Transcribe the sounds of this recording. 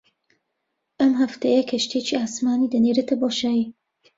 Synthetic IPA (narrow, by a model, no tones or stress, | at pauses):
ʔɐmɦɐft̪ɐjɐkʰɐʃt̪ʰeːt͡ʃiaːsmaːniːd̪ɐneːɾɐt̪ʰɐboːʃaːji